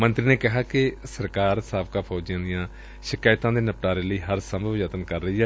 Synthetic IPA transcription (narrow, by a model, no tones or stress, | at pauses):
mə̃nt̪ɾiːneːkɪɦaːkɪsəɾkaːɾsaːbkaːpʰɔːd͡ʒɪjãːd̪ɪjãː | ʃɪkaːɪt̪ãːd̪eːnəpʈaːɾeːləiːɦəɾsəmd͡ʒət̪ənkəɾːəiːɛː